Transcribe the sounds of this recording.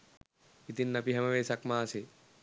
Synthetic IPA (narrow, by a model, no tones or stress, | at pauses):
it̪inːɐpiɦɐmɐʋeːsɐkmaːsi